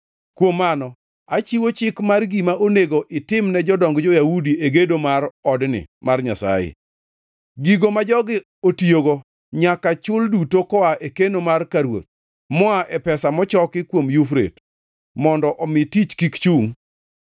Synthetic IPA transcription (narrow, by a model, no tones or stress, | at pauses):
kwomːanɔ | at͡ʃiwot͡ʃɪkmarɡimaʔoneɡoʔɪtɪmnɛd͡ʒɔdɔŋɡd͡ʒɔjaudiʔeɡedomaɾɔdnɪ̰marɲasa̰jɪ̰ | ɡiɡomad͡ʒɔɡɪ | otioɡɔ | ɲakat͡ʃʊldutokɔaʔekenomarkaɾwo̰t̪̚ | mɔaʔɛpɛsamɔt͡ʃɔkɪkwomjufɾḛt | mɔndɔʔɔmɪtit͡ʃkikt͡ʃuŋ